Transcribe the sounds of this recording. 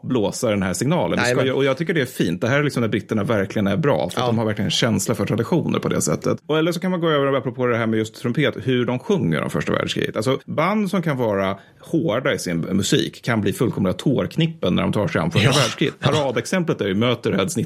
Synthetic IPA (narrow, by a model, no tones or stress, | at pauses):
bloːsaɖɛnɦæːsɪŋnɑːlə̰nɛskajʔɔjɑːɡt̪ʰʏkːəɖɛæfiːnt̪̚d̪ɛɦæːɾælɪksɔmnæɾbɾɪt̪ːəɳavæɾklɪɡənæɾbɾɑ̰ːfœɾatd̪ɔmhaɾvæɾklɪɡənɛɕɛnslafœʈʰɾad̪ɪɧuːnə̰ɾpʰɔd̪ɛ̰sɛ̰t̪ːə̰t̪ɔɛlːəʂɔkʰanmanɡoːøːvəɾapːɾɔpʰoːd̪ɛɦæːɾmɛjɵst̪ʰːɾʊmpʰeːt̪hɵɖɔmɧɵŋːə̰ɾɖɔ̰mfœ̰ʂʈa̰væ̰ːɖʂkʰɾḭːɡət̪alsɔband̪sɔmkʰanvɑːɾa | hoːɖaɪsɪnmɵsḭːkʰːanbliːfɵlkʰɔmlɡat̪ʰoːɾkʰnɪpːənːæ̰ɖɔmt̪ʰɑːʂɛɪa̰mfœʂavæːɖʂkɾiːt̪ʰaɾɑːd̪ɛksɛmplət̪æɾjɵmøːt̪əɾhɛd̪snɪ